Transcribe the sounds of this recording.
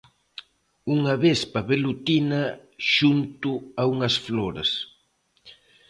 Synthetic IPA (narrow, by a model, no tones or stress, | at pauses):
uŋɐβespɐβelut̪inɐʃunt̪ʊauŋɐsfloɾɐ̰s